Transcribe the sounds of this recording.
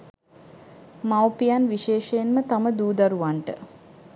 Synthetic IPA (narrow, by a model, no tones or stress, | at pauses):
mawpijanʋiʃeːʃəjenmət̪aməd̪uːd̪aɾuʋaɳʈə